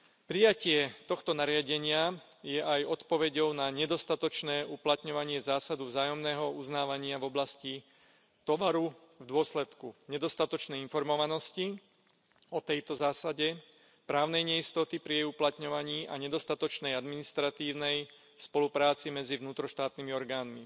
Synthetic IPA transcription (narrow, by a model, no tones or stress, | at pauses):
pɾijacɪɛt̪ɔxt̪ɔnaɾɪaɟɛɲɪa | jɛʔajɔt̪pɔʋɛɟɔʊnaɲɛd̪ɔst̪at̪ɔt͡ʃnɛːʔuplat̪ɲɔʋaɲɪɛzaːsad̪uvzaːjɔmnɛːɦɔuznaːʋaɲɪavɔblasci | t̪ɔʋaɾu | vd̪ʊɔslɛt̪kuɲɛd̪ɔst̪at̪ɔt͡ʃnɛjinfɔɾmɔʋanɔsci | ɔt̪ɛjt̪ɔzaːsaɟɛ | pɾaːʊnɛjɲɛist̪ɔt̪ipɾijɛjuplat̪ɲɔʋaɲiːʔaɲɛd̪ɔst̪at̪ɔt͡ʃnɛjad̪minist̪ɾat̪iːʊnɛj | spɔlupɾaːt͡simɛd͡zivnuːt̪ɾɔʃt̪aːt̪nimiɔɾɡaːnmi